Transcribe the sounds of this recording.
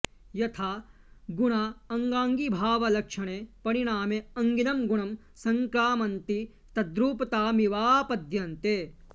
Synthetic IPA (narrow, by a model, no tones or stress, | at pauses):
jɐt̪ʰaː | ɡuɳaɐŋɡaːŋɡibʱaːʋɐlɐkʂɐɳ̃epɐɾiɽ̃aːmeɐŋɡinɐmɡuɳɐm | sɐŋkɾaːmɐnt̪i | t̪ɐd̪ɾuːpɐt̪aːmiʋaːpɐd̪ʱjɐnt̪eː